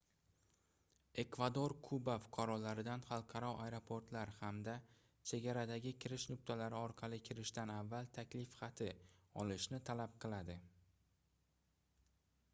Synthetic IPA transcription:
e̞kvad̪oɾkʰʊbafʊ̥qʰɑɾɒlaɾɪd̪anχɑlˠqʰɑɾɒʔajɾo̞pʰo̞ɾt̪laɾhamd̪a | t͡ʃʰe̞ɡʲaɾad̪aɡʲɪkʲʰɪɾɪʃnʊk̚ʲt̪ʰalaɾɪɒɾqʰɑlɪkʲʰɪɾɪʃt̪anavːalˠt̪ʰakʲlɪfχat̪ʰɪɒ̰lɪʃnɪt̪ʰalap̚qʰɨlˠad̪ɪ

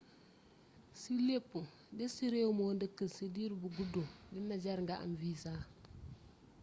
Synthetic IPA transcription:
silepːu | disiɾewmondikːəsidiɾbuɡududinad͡ʒaɾŋɡaʔa̰nvisa

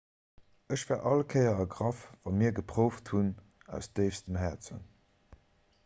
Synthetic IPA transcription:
əɕv̥æːɐʔɑlkʰəɪɐɑɡʁɑfvɑmiːɐɡəpʁ̥oʊfthun | æ̰ʊsd̥əɪfstəmɦæːɐt͡sə̰n

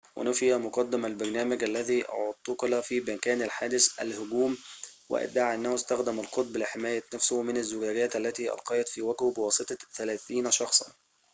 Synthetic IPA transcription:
wʔɪ̰nʊfɪjæmʊqɑd̪ːɪmælbɑɾˤnæːmæɡʔælːæðiːʔɑ̰ʕod̪̚t̪ːʊqlæfiːbɪkæːnalħaːd̪ɪsʔæ̰lhʊɡuːmwɪ̰ʔɪ̰d̪ːaːʕʔɪnːæhʊst̪æxd̪æmalqot̪̚ˤblɪħɪmæːjænæfsʊhmɪnazːʊɡæːɡæːt̪ʔælːæt̪iːʔɑ̰lqɑːjɑt̪fiːwæɡobɪwɑːsˤɨt̪ˤɑθælæːθiːnʃɑxsˤɑ̰n

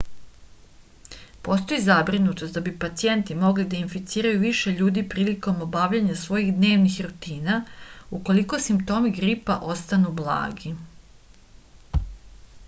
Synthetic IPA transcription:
po̞st̪o̞izabɾinut̪ost̪d̪abipat̪sije̞nt̪imo̞ɡlid̪ainfit̪siːɾajuʋiʃe̞ʎuːd̪ipɾiːliko̞mo̞baʋʎaɲasʋo̞jiɣd̪ne̞ːʋnixɾut̪iːnauko̞liko̞simpt̪o̞miɡɾipa̰ʔo̞st̪anublˠa̰ːɡi

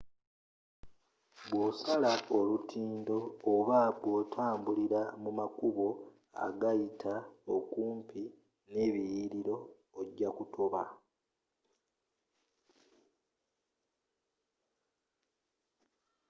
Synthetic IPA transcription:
βwo̞ːsalaolutʰiːndo̞ːβaβwo̞ːtʰaːmbuliɾamumakuβo̞ | a̰ɡajitʰaokuːmpʰi | ne̞ːβijiɾiɾo̞ | eɟakutʰoβa

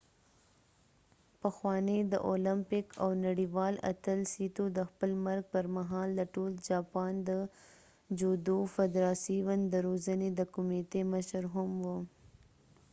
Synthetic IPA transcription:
pəxwɑned̪ə̰ʔolɪmpɪkʰa̰wnaɽiwɑla̰t̪əlsit̪od̪əxpəlmaɾɡ̚pəɾmaɦɑlːaʈold͡ʒɑpɑnd̪ə | d͡ʒod̪ofɪd̪ɾɑsiwand̪əɾozəned̪əkʊmit̪eməʃəɾɦʊmwu

